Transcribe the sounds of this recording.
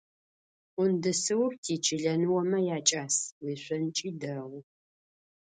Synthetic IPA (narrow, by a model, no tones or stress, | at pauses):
ʊndɨsɨwrtʰiːt͡ʃʰɪɮɐnɨwɐmɐjaːt͡ʃʼaːswiːɕʷɐnt͡ʃʼiːdɐʁʷʊ